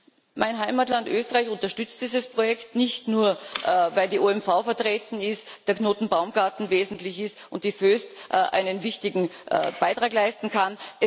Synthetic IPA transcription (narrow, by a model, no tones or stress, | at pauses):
mʔaɪnɦaɪmatlandʔøːstəʁaɪçʊntɐʃtʏt͡st̚d̥iːzəspʁojɛktnɪçtnuːɐʔvaɪldiːʔoɛmfaʊfɛɐtʁeːtn̩ɪstd̥eːɐkʰnoːtn̩baʊmɡ̥aɐtn̩veːzn̩tlɪçɪstʊnt̚d̥iføːstʔʔa̰ɪnənvɪçtɪɡŋ̩ʔb̥aɪtʁ̥aːklaɪstn̩kʰanʔɛ